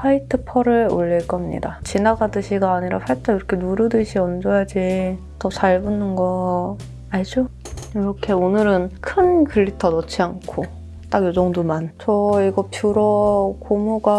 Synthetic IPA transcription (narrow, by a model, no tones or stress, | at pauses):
ɸʰaitʰɯpʰʌɾɯɭo̰ʎːiɭk͈ʌmɲḭdat͡ɕinaɡadɯɕʰiɡaːɲiɾa̰ɸʰaɭt͈ʰaiɾʌkʰe̞nuɾɯdɯɕʰiʌnd͡ʑʌjad͡ʑi | tʌt͡ɕʰaɭbunɯnɡʌ | aɭd͡ʑo | iɾʌkʰe̞onɯɾɯnkʰɯnkɯɭːitʰʌnʌt͡ɕʰiankʰo | t͈aɡjod͡ʑʌŋdomant͡ɕʌiɡʌpjuɾʌkomoɡa